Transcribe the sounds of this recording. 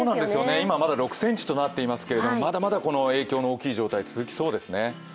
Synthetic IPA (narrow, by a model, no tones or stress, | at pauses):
oːnãnd̪e̞sɨjo̞ne̞imamad̪aɾo̞kɯ̟̥sẽ̞ɲ̟t͡ɕi̥t̪o̞nat̪ːe̞imasɨ̥ke̞ɾe̞d̪o̞mo̞mad̪amad̪ako̞no̞e̞ːkʲo̞ːno̞oːkʲiːʑo̞ːt̪ait͡sɨzɨkʲi̥so̞ːd̪e̞sɨne